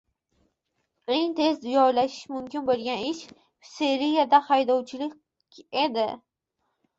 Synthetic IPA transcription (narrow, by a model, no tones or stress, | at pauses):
eŋt̪ʰe̞zd̪ʊjɒlaʃɪ̥ʃmʊmkʲɪnbolˠɡʲanɪʃ | fseɾijad̪ahajd̪ɒwt͡ʃʰɪlɪkʲ | ed̪ɪ